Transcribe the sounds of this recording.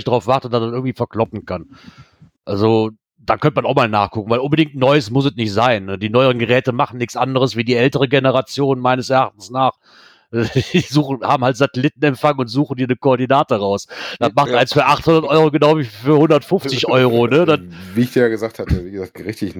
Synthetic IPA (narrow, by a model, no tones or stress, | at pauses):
çtdaʁaʊfv̥aɐtətd̥asndanʔɪɐɡŋ̩tv̥iːfɐkl̥ɔpn̩kʰan | ʔalzo | d̥aːkʰœntəmanaʊxmaːlna̰ːχkʰʊkŋ̩vaɪʔʊnbədɪŋk̚tnɔʏəsmʊs̬ɛtnɪçtz̥aɪnːəd̥iːnɔʏəʁ̞ənɡəʁɛːtəmaχn̩nɪçt͡sʔandəʁ̞əsv̥iːdiːʔɛltəʁ̞əɡenəʁat͡sjoːnmaɪnəsɛɐʔaχt̚n̩snaːχ | d̥iːzuːχn̩haːbm̩haltz̥atɛlɪtn̩ɛmfaŋəʊntz̥uːχn̩diːɐnəkoɔɐdinaːtəʁaʊsd̥atmaχtʔaɪnsfyːɐʔaχthʊndɐtʔɔʏʁoɡənaʊviːfyːɐhʊndɐtfʊnft͡sɪçʔɔʏʁ̞onədanviːɪçd̥iːjaːɡəzaːk̚tʰhatəviːɡəzaːtɡ̥əʁɪçtɪç